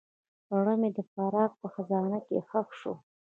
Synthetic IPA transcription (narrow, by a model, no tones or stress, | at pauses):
ɽəmed̪əfaɾɑɡ̚pəxazɑnakexaxʂo